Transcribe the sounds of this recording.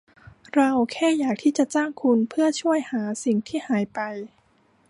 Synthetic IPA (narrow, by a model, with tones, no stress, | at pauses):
ɾa˧wkʰɛː˥˩jaː˨˩k̚t̪ʰiː˥˩t͡ɕa˨˩t͡ɕaː˥˩ŋkʰu˧npʰɯ˥˩ɐt͡ɕʰu˥˩əjhaː˩˦si˨˩ŋt̪ʰiː˥˩haː˩˦jpa˧j